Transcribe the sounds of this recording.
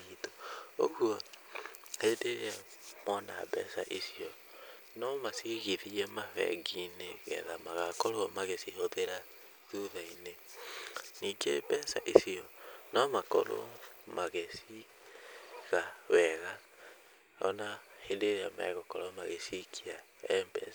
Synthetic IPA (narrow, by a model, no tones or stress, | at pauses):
ito̥o̰ɣuɔ | hedeɾeamɔna̰bɛsa̰ʔesiɔ | nɔmasiɣeðiɛmavɛ̰ɡineɣɛ̰ðamaɣakɔɾomaɣesihoðeɾa | ðuðaine | niːɡḛbɛsa̰ʔesiɔnɔmakɔ̰ɾo̰maɣesi | ɣawɛɣa | ɔnahedeɾeama̰ɛɣɔkɔɾɔmaɣesikʰia | ɛmbɛs